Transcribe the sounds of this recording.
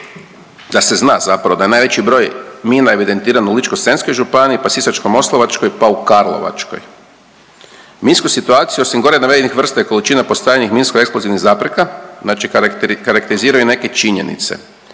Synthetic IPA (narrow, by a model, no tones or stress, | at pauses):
d̪ase̞znaːzapɾaʋo̞d̪aenaːjʋe̞t͡ʃibɾo̞ːjmiːnae̞ʋid̪e̞nt̪iːɾanulit͡ʃkose̞nsko̞jʒupaniːpasisat͡ʃkomo̞slˠoʋat͡ʃko̞jpaukaɾlˠo̰ʋa̰t͡ʃko̞̰j | minskusit̪uaːt̪sijuo̞simɡo̞ɾenaʋed̪inixʋr̩st̪ajiko̞lit͡ʃinapo̞st̪aːjanixminskoe̞ksplo̞ziʋniɣzaːpɾekaznaːt͡ʃikaɾakt̪eiziːɾajune̞ke̞t͡ʃiɲe̞̰nḭt̪se̞̰